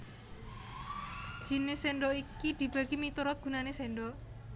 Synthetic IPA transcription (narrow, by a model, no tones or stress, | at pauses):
d͡ʒ̥i̤nɪseɳɖɔikid̪̥i̤b̥a̤ɡ̥imit̪uɾɔt̪̚ɡ̥ṳnaneseɳɖɔ